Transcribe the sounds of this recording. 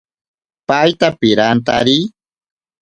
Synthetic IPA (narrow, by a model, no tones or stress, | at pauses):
pajt̪apɪɾant̪aɾi